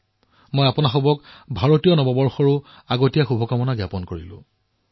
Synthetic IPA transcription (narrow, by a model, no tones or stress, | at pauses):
mojapʊnaxɔbɔkbʱaɹotijɔnɔbɔbɔɹxɔɹʊ | aɡotijaxubʱɔkamɔnaɡjapɔnkoɹilʊ̰̃